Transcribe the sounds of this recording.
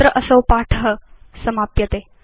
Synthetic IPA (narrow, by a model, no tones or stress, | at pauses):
ɾəʔəsəwpaʈʰɦəsɐmaːpjɐt̪eː